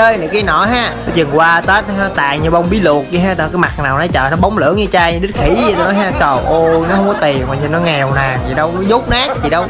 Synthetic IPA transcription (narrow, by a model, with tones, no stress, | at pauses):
əː˧jna˨˩ka˨˦jnɔ̰˧˩˦ɦaː˧˥˨t͡ɕɨ˨˩ŋkwaː˧t̪əː˦˥t̚haː˧˦t̪a̰ː˧˨jɲɨ˧vɔ˧wŋ͡mɓi˨˦lu˨˩ək̚ɲi˧ɦaː˦˥t̪aː˨˩kaː˨˦jma˨˩t̚naː˨˩wna˨˦t͡ɕəː˨˩nɔ˨˦ɓa˨˦wŋ͡mlɨ̰˧˦əŋɲɨ˧t͡ɕaː˧jɲɨ˧ɗɨ˦˥t̚xʰi˧˦˧t̪a˧nɔ˨˦jɦaː˧˥t͡ɕə˨˩wʔo˧nɔ˨˦hɔ˧˦ŋ͡mkɔ˨˦t̪i˨˩ənʔa̰ː˧˩ɲɨ˧˩nɔ˨˦ŋɛ˨˩wnaː˨˩ŋt̪ʰi˨˩ɗə˧wnɔ˨˦zu˦˥k͡p̚naː˦˥k̚t̪ʰi˨˩ɗə˧w